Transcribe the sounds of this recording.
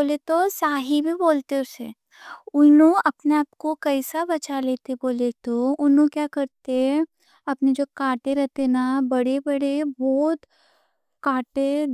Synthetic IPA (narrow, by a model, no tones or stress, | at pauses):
oːlet̪osaːɦibʱiboːlt̪eʊse | ʊnõɐpneaːp̚kokɐisabɐt͡ʃaleːt̪eboːlet̪oʊnõkjaːkɐɾt̪e | ɐpned͡ʒoːkaːʈeɾɛɦt̪enabɐɽebɐɽebɔːt̪ | kaːʈe